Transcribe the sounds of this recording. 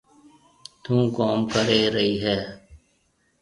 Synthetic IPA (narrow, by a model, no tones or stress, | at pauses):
t̪ũːkoːmkəɾeːɾəɦiːɦɛː